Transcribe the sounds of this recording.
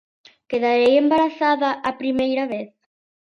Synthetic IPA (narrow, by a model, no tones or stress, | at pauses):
keðaɾejembaɾaθaðaʔapɾimejɾaβeθ